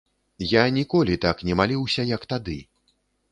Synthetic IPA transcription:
janʲikɔlʲit̪aknʲɛmalʲiwsʲɐjɐkt̪ad̪ɨ

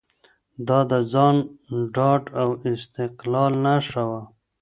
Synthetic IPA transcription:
d̪ɑd̪əzɑnɖɑʈawɪst̪ɪqlɑlnaʂawa

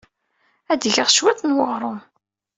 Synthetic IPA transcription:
æd̪ʝəʁʃwæθənwəʁɾˤʊm

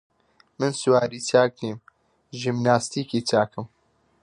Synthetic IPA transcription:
mɨnsuwaːɾiːt͡ʃʰaːk̚niːm | ʒimnaːst̪iːkiːt͡ʃʰaːkɨm

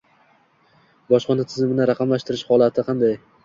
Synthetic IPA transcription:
bɒʃqʰɒnat̪ʰɪzɪmɪnɪɾaqʰɑmlaʃt̪ɪɾɪʃhɒlˠat̪ʰɪqʰɑnd̪aj

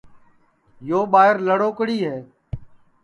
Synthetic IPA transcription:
joːɓaːɦɪɾləɽoːkɽiːɦɛː

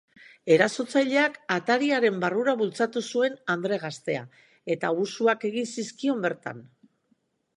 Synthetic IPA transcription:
e̞ɾaso̞t͡sajʎe̞akat̪aɾiaɾe̞mbaruɾaβult͡sat̪usue̞nand̪ɾe̞ɣ̞ast̪e̞a | e̞t̪ausuake̞ɣinsiskio̞mbe̞ɾt̪a̰n

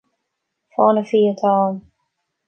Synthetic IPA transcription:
fɔːnəfiːət̪ʰɔːm

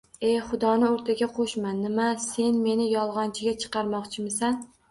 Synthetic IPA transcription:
e̞χʊd̪ɒnɪoɾt̪ʰaɡʲaqʰoʃmanːɪmase̞nme̞nɪjɒlˠʁɒnt͡ʃʰɪɡʲat͡ʃʰɨ̥qʰɑɾmɒqt͡ʃʰɪmɪsan

